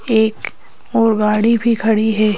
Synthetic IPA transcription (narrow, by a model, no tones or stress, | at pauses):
eːk | ɔːɾɡaːɽibʱikʰɐɽiɦɛː